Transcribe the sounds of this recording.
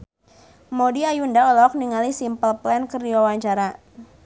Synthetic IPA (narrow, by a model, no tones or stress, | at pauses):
modiajundaɔlɔk̚niŋalisimpəlplɛnkərdiwawaɲt͡ʃaɾa